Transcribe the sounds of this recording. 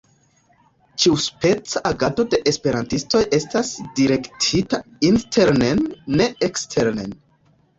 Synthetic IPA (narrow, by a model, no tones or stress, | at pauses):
t͡ʃiuspe̞t͡saʔːɡado̞de̞ʔespe̞ɾantisto̞jʔe̞stasdiɾe̞ktʰitainstʰe̞ɾnenːe̞ekstʰe̞ɾnḛn